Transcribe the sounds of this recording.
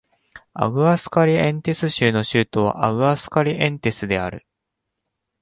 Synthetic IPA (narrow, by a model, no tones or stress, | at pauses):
a̰ɡɯ̟asɨ̥kaɾʲiẽ̞nt̪e̞sɨɕɨːno̞ɕɨːt̪o̞β̞a̰ʔaɡɯ̟asɨ̥kaɾʲiʔẽ̞nt̪e̞sɨd̪e̞a̰ɾɯ̟